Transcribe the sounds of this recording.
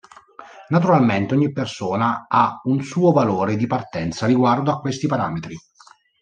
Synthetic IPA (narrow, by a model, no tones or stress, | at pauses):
nat̪uɾalment̪eɔɲːipːersoːnaaunsuːovaloːɾed̪ipart̪ɛnt̪sariɡward̪oakːwest̪ipaɾaːmet̪ɾi